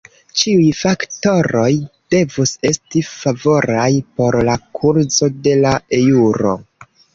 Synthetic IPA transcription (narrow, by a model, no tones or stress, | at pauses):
t͡ʃiujfakto̞ɾo̞jd̥e̞vuse̞stifavo̞ɾajpo̞ɾlakʰuɾzo̞de̞lae̞juɾo̰